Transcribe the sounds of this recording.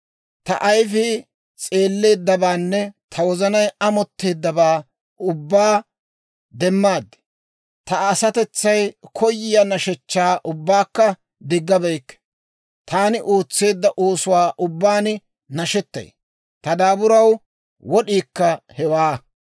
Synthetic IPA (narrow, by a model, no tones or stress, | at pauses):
t̪ɐ̰ʔɐjfɪ | t͡sʼe̞ːlːe̞ːd̪ːɐbaːnːɛt̪ʰɐwɔzɐnɐjɐmɔt̪ːe̞ːd̪ːɐbaː | ʊbːaː | d̪ɛmːaːd̪ːɛ̥ | t̪ɐːsɐt̪ɛt͡sːɐjkʰɔjːɪjɐnɐʃɛt͡ʃːaːʔʊbːaːkːɐ | d̪ɪɡːɐbɛjkːɛ̥ | t̪aːnɪʔoːt͡sːe̞ːd̪ːɐʔoːsʊwaːʔʊbːaːn | nɐʃɛt̪ːɐ̰j | t̪ɐd̪aːbʊɾɐw | wɔɗiːkːɐhɛwaː